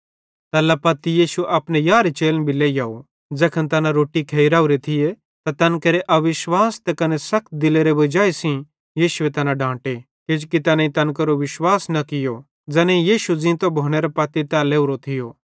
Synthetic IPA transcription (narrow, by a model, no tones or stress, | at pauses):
t̪ɐlːapɐt̪ːijiːʃuʔɐpnejaːɾit͡ʃeːlnbʱileːjaːo | d͡zɐkʰənt̪ɐnaɾoːʈikʰeiɾaːuɾet̪ʰɪje | t̪at̪ɐnkɐɾeʔɐʋɪʃwaːst̪ɛkɐnesɐk̚ʰt̪̚d̪ɪleɾebɐd͡ʒaːisĩ | jiːʃʊet̪ɐnãɖʱãːʈe | ked͡ʒkit̪ɛnẽĩt̪ɐnk̬ɐɾoʋɪʃwaːsnɐkɪjo | d͡zɐnẽĩjiːʃud͡zĩːt̪obʱoːñeɾɐpɐt̪ːit̪aleːuɾot̪ʰɪjo